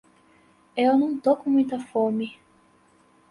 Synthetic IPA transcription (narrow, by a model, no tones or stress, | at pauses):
ewnɐ̃w̃t̪okumũj̃t̪ɐfomi